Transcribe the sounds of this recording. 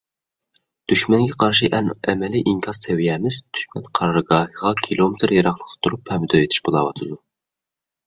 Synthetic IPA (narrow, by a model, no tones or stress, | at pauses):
d̪̥yʃmɛŋɡʲɛqʰɑɾʃiʔɛnɛmɛliʔiŋkʲʰɑz̥t̪ʰɛwijɛmɪzd̪̥y̥ʃmɛnqʰɑɾɾɨɡɑːhɨʁɑkʲʰilˠomɪt̪ʰɾjɑɾɑχlˠəqt̪ʰɨ̥t̪ʰuɾuphɛmd̪ɑet̪ʰɪ̥ʃbolˠɑwɑt̪ʰɨd̪u